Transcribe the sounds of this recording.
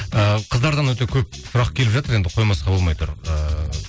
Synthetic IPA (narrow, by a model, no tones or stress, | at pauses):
əqʰəzd̪ɑɾd̪ɑnwɵt̪e̞kʲʰɵp̚sʊɾɑq̚kʲʰelɪpʒɑt̪əɾend̪ɪqʰo̞jmɑsqɑbo̞lˠmɑjt̪ʊ̰ɾə